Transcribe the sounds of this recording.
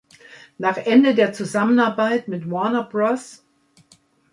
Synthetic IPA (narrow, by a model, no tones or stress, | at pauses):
naːχʔɛndədeːɐt͡suzamənaɐbaɪtmɪtmɔɐnɐbʁɔs